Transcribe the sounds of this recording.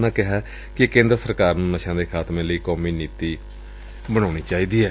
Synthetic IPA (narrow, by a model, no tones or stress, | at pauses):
nãːkɪɦaː | kɪkẽːnd̪ɾəsəɾkaːɾnũːnəʃãːd̪eːkʰaːt̪mẽːləiːkɔːmiːniːt̪iː | bəɽ̃aːɽ̃iːt͡ʃaːiːd̪iːɛː